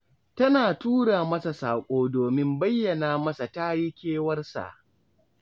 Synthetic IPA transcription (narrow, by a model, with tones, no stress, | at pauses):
tɐ˦naː˨tuː˦ɽaː˨mɐ˦sa˨saː˨kʷʼoː˦doː˨mɪ˦mbɐ˦jːɐ˨naː˨mɐ˦sa˨ta˦ji˦kʲeː˦wɐ˦rsa̰˨ʔ